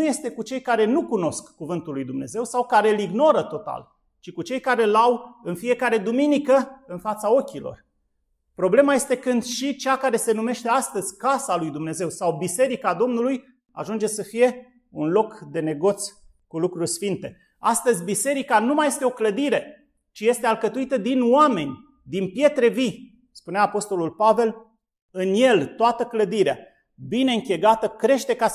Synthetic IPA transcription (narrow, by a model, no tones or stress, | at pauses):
nuje̞st̪e̞kut͡ʃe̞jkaɾe̞nukuno̞skːuvɨnt̪ulːujd̪umne̞̰ze̞wsawkaɾe̞liɡno̞ɾət̪o̞t̪a̰l | t͡ʃikut͡ʃe̞jkaɾe̞lawɨnfije̞kaɾe̞d̪uminikəɨnfat̪sao̞kʲilo̞̰r | pɾo̞ble̞maje̞st̪e̞kɨnd̪ʃit͡ʃeakaɾe̞se̞nume̞ʃt̪e̞ast̪əzʲkasalujd̪umne̞ze̞wsawbise̞ɾikad̪o̞mnuluj | a̰ʒund͡ʒe̞səfije̞ | unlo̞kd̪e̞ne̞ɡo̞t̪sʲ | kulukɾurʲsfint̪e̞ | a̰st̪əzʲbise̞ɾikanumaje̞st̪eo̞kləd̪iɾe̞ | t͡ʃije̞st̪e̞alkət̪uit̪əd̪inoame̞nʲ | d̪inpje̞t̪ɾe̞vi | spuneaːpo̞st̪o̞lulpave̞l | ɨnje̞lt̪oat̪əkləd̪iɾea | bine̞ɨŋkʲeɡat̪əkɾe̞ʃt̪e̞ka